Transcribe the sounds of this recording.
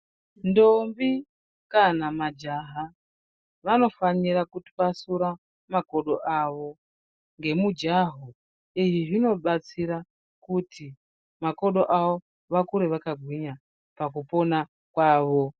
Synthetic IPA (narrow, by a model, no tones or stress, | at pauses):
ndombi | kanamad͡ʒaɦa | ʋano̞faniɾakutʋasuɾa | mako̞ɗo̞ʔaʋo̞ | ŋɡe̞mud͡ʒaɦu | iʐiʐino̞ɓat͡siɾa | kutʰi | mako̞ɗo̞ʔawo̞ | ʋakuɾeʋakaɡʱwiɲa | pakupo̞na | kwaːʋo̞